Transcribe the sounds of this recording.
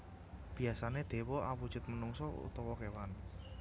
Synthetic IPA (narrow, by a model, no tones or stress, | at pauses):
b̥i̤asaned̪̥e̤wɔawud̥ʒ̥ʊ̤t̪̚mənuŋsɔṵt̪ɔwɔkewan